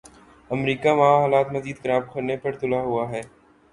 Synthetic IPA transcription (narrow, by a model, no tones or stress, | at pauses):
ɐmɾiːkamaaɦaːlaːt̪mɐziːd̪̚kɐɾaːb̚kʰʊɾnepɐɾt̪ʊlaɦʊaɦɛː